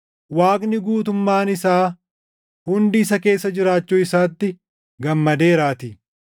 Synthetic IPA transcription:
waːknɪɡuːt̪ʊmːaːnɪsaː | hʊnd̪iːsɐke̞ːsːɐd͡ʒɪɾaːt͡ʃːuːɪsaːt̪ːɪ | ɡɐmːɐd̪e̞ːɾaːt̪ɪ

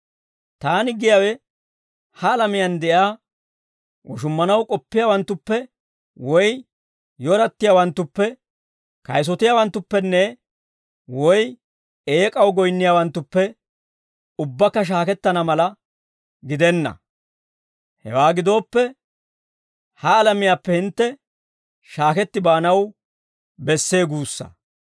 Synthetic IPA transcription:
t̪aːnɪɡɪjaːwɛ | hɐːlɐmɪjɐnd̪ɛʔaː | wɔʃ̬ʊmːɐnɐwkʼɔpːɪjaːwɐnt̪ːʊpːɛ | wɔj | jɔɾɐt̪ːɪjaːwɐnt̪ːʊpːɛ | kɐjs̬ɔt̪ɪjaːwɐnt̪ːʊpːɛnːɛ | wɔj | eːkʼɐwɡɔjnːɪjaːwɐnt̪ːʊpːɛ | ʊbːɐkːɐʃ̬aːkɛt̪ːɐnɐmɐlɐ | ɡɪd̪ɛnːɐ̰ | hɛ̰waːɡɪd̪o̞ːpːɛ | hɐːlɐmɪjaːpːɛhɪnt̪ːɛ | ʃaːkɛt̪ːɪbaːnɐw | bɛsːe̞ːɡuːsːɐ̰

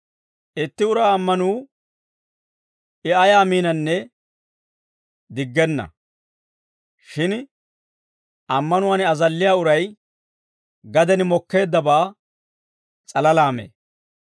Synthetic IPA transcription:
ʔɪt̪ːɪʊɾaːɐmːɐnuː | ʔɪʔɐjaːmiːnɐnːɛ | d̪ɪɡːɛnːɐ̰ | ʃɪn | ʔɐmːɐnʊwaːnɐzɐlːɪjaːʊɾɐj | ɡɐd̪ɛnɪmɔkːe̞ːd̪ːɐbaː | t͡sʼɐlɐlaːmḛː

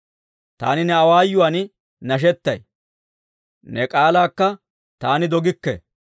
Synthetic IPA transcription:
t̪a̰ːnɪnɛɐwaːjːʊwan | nɐʃ̬ɛt̪ːɐj | nɛkʼaːlaːkːɐ | t̪aːnɪd̪ɔɡɪkːɛ̰

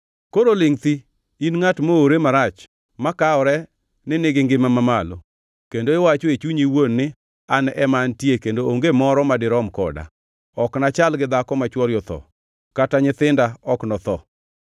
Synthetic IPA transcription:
koɾolɪŋt̪i | inŋatmooɾemaɾat͡ʃ | makaɔɾɛ | nɪnɪɡɪŋɡɪmamamalo̰ | kendoɪwat͡ʃoet͡ʃuɲiwonːɪ | anʔɛmantjekendooŋɡemɔɾɔmadɪɾɔmkɔ̰da̰ | ɔknat͡ʃalɡɪd̪akɔmat͡ʃwɔɾjɔt̪ɔ̰ | kataɲɪt̪ɪndaɔknɔt̪ɔ̰

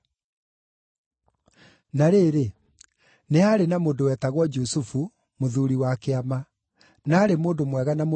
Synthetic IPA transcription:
naɾeːɾe | neaɾenamoːndowɛːtaɣwɔd͡ʒusufu | moðuɾiwakeama | naːɾemoːndomwɛɣanamo

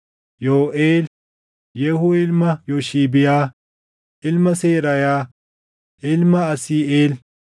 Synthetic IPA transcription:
joːʔeːl | jɛhʊɪlmɐjoʃiːbɪjaː | ʔɪlmɐseːɾɐjaː | ʔɪlmɐɐsiːeːl

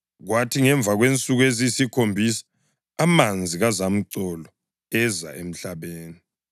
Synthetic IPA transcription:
ɣwatʰiŋɛɱb̪vʱaɣwent͡sʼuɣwezisikʰombʱisḁː | mand͡zʱiɣazam̩ǀɔlɔ | ɛza̰em̩ɬaβeːni

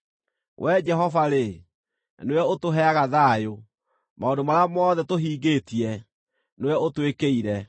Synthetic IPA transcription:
wʔɛd͡ʒɛɦɔvaɾe | newɛotoɦɛaɣaðaːjo | maondomaɾamɔðɛtoɦiːɡetiɛ | newɛotwekeiɾɛ

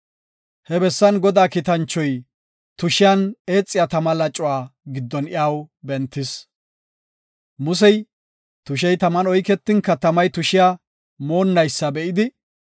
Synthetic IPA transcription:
hɛbɛsːɐnɡɔd̪aːkɪt̪ɐnt͡ʃːɔj | t̪ʊʃɪjɐneːt͡sʼːɪjat̪ɐmɐlɐt͡ʃʼːʊwaːɡɪd̪ːɔnɪjawbɛnt̪ːɪs | mʊs̬ɛj | t̪ʊʃ̬ɛjt̪ɐmɐnɔjkɛt̪ːɪŋkɐt̪ɐmɐjt̪ʊʃɪja | mo̞ːnːɐjsːɐbɛʔɪd̪ɪ

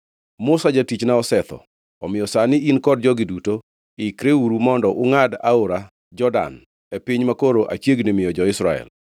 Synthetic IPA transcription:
mʊsad͡ʒatit͡ʃnaɔsɛt̪ɔ̰ | ɔmɪjɔsanɪinkɔdd͡ʒɔɡɪduto | ɪkɾeuɾumɔndɔʔʊŋada̰oɾa | d͡ʒɔda̰n | epiɲmakoɾoʔa̰t͡ʃjeɡnɪmɪjɔd͡ʒɔɪsɾaɛ̰l

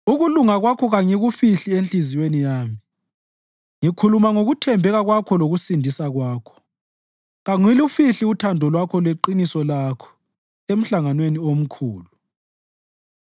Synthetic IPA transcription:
uɣuluŋaɣwakʰɔɣaŋiɣufiɬienɬiziwenijaːmi | ŋikʰulumaŋoɣutʰɛmbʱɛɣaɣwakʰɔloɣusindʱisaɣwaːkʰɔ̥ | ɣaŋwilufiɬiutʰandʱɔlwakʰɔlweǃinisɔlaːkʰɔ̥ | em̩ɬaŋanweniom̩kʰuːlu

